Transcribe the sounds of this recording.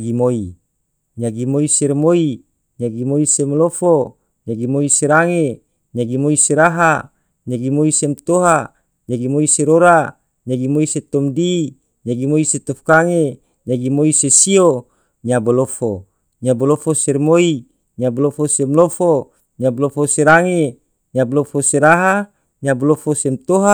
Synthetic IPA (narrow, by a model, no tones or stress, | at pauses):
ɡimoi | ɲaɡimoiseɾmoi | ɲaɡimoisemlofo | ɲaɡimoiseɾaŋe | ɲaɡimoiseɾaɦa | ɲaɡimoisemt̪oɦa | ɲaɡimoiseɾoɾa | ɲaɡimoiset̪omdi | ɲaɡimoiset̪ofkaŋe | ɲaɡimoisesio | ɲabolofo | ɲabolofoseɾmoi | ɲabolofosemlofo | ɲablofoseɾaŋe | ɲablofoseɾaɦa | ɲabolofosemt̪oɦa